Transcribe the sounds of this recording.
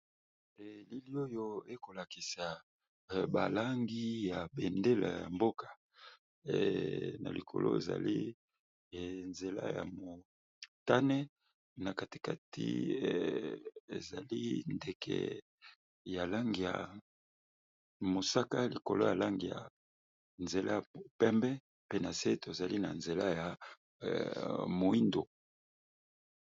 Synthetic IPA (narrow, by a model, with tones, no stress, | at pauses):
ɛ˨li˦li˦o˦jo˦e˦ko˨la˨ki˨sa˨ | ba˨la˦ŋɡi˦ja˨be˨nde˦la̰˨ja̰˨mbo˦kʰḁ˨ | na̰˨li˨kʰo̰˨lo̰˦ḛ˨za̰˨li˦˨ | nze˨la̰˦ja̰˨mo˨ | ta˦nɛ˦ | na˨ka˨ti̥˨ka˨tʰḭ˦˨ | e˨za˨li˦nde˨kʰɛ̰˨ | ja˨la˦ŋɡi˨ja̰˨ | mo˨sa˦ka˦li˨ko˨lo˦ja˨la˦ŋɡi˨ja̰˨ | nze˨lʔa˦ja˨o˨pɛ˦mbɛ˦ | pe˦na˨se˦to˨za˨li˦na̰˨nze˨la˦ja˨ | mo˨i˦ndo˨